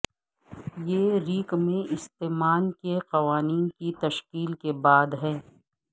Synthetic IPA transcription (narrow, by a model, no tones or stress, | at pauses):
jeːɾiːkmẽɪst̪eːmaːnkeqɐʋaːniːnkit̪ɐʃkiːlkebaːd̪ɦɛ̃ː